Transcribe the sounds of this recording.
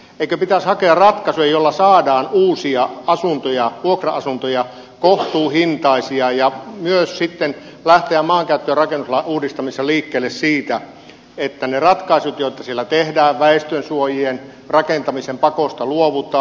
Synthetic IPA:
eikøpit̪æshɑkeɑrrɑt̪kɑsujɑjolːɑsɑːdɑːnuːsiɑɑsunt̪ojɑʋuokrɑɑsunt̪ojɑ | koht̪uːhint̪ɑisiɑjɑmyøssit̪ːen | læht̪eæmmɑːŋkæyt̪ːøːrrɑkenːuslɑuːdist̪ɑmisːɑliːkːeːlːessiːt̪æ | et̪ːænerɑt̪kɑisut̪jot̪ːˑɑsielːæt̪ehdæːʋʋæest̪ønsuojien | rɑkent̪ɑmisempɑkost̪ɑluoʋut̪ˑɑː

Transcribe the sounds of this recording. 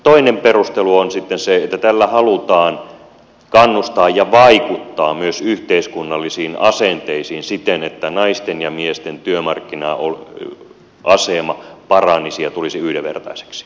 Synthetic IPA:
t̪oinemperust̪eluonsit̪ːenseet̪ːæt̪ælːæhɑlut̪ɑːn | kɑnːust̪ɑːjjɑʋɑikut̪ːɑːmyøsyht̪eiskunːɑlːisiːnɑsent̪eisiːnsit̪enet̪ːænɑist̪enjɑmiest̪ent̪yømɑrkːinɑol | ʔɑsemɑpɑrɑnisiɑt̪ulisiyhdeʋʋḛrt̪ɑ̰ise̥ksi̥

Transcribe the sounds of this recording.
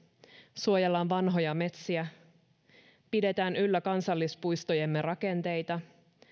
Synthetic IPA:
suojelːɑːnʋɑnɦo̞jɑme̞t̪siæ | pide̞t̪æːnylːækɑnsɑlːispujst̪ojemːe̞rɑke̞nt̪e̞jt̪ɑ

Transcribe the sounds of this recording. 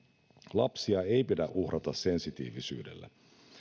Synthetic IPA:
lɑ̰psiɑe̞jpidæʔuhrʔɑt̪ɑse̞nsit̪ḭːʋisy̰ːdḛlːæ̰

